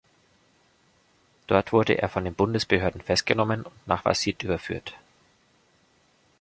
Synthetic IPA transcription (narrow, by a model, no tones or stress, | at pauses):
d̥ɔɐtv̥ʊɐdə̰ʔḛːɐfɔndeːnbʊndəsb̥əhøːɐdn̩fɛst̚ɡ̥ənɔmənʊntna̰ːχv̥a̰sitʔyːbɐfy̰ːɐt